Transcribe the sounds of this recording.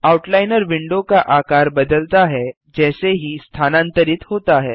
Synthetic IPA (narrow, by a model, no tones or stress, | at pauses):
awʈlajnəɾʋiɳɖokaʔakaɾbəd̪əlt̪aɦɛ | d͡ʑɛseɦiːst̪ʰanãnt̪əɾiːt̪ɦot̪aɦɛ